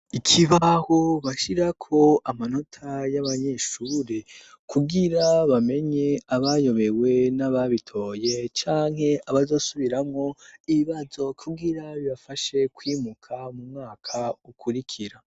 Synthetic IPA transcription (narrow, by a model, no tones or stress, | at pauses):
icʰiβahoβaʃiɾakʰo̞amano̞tʰajaβaɲe̞ʃuːɾe | kuɡiɾaβame̞ɲe̞aβajo̞βe̞we̞naβaβitʰo̞ːje̞t͡ʃaːŋ̥he̞ʔaβazo̞ːsuβiɾamŋo̞iβiβazo̞kʰuɡiɾaβiβafaʃe̞kwiːmukʰamumŋaːkʰaukʰuɾikʰiɾa